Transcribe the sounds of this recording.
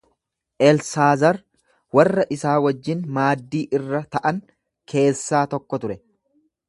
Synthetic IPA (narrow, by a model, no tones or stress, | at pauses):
ʔɛlsaːzɐɾ | wɐrːɐʔɪsaːwɐd͡ʒːɪnmaːd̪ːiːʔɪrːɐt̪ɐʔɐŋ | kʰe̞ːsːaːt̪ɔkːɔt̪ʊɾɛ